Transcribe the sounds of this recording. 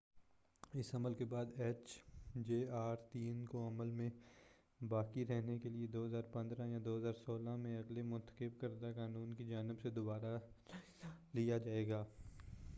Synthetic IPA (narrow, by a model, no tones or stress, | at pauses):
ɪsɐməlkebaːd̪ɛːt͡ʃd͡ʒeːaːɾt̪iːnkoɐməlmẽ | baːkiɾɛɦnekelied̪oːɦɐzaːɾpɐ̃nd̪ɾãjad̪oːɦəzaːɾsoːlamẽɐɡlemʊ̃nt̪ə̥qɪb̚kəɾd̪akaːnuːnkid͡ʒaːnɪbsed̪ʊbaːɾa | lijad͡ʒaːeːɡaː